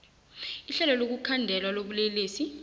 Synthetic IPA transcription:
iɬɛlɔlok̬ukʰandʱɛlwaloɓuleleːsi

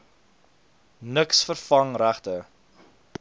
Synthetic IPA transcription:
nəksfərfɐŋræχtə

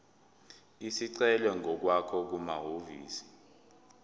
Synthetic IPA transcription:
isiǀɛlɛŋʱɔk̬wakʰɔk̬umaɦoviːsi̥

